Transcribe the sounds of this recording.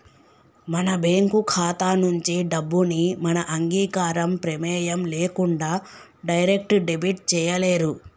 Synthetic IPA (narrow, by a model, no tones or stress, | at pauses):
mɐnɐbeːŋkukʰaːt̪aːnuɲt͡ʃiɖɐbːunimɐnɐʔɐŋɡiːkaːɾɐmpɾɐmɛːjɐmleːkuɳɖaː | ɖɐjɾek̚ʈɖebiʈ̚t͡ʃɛːjɐleːɾu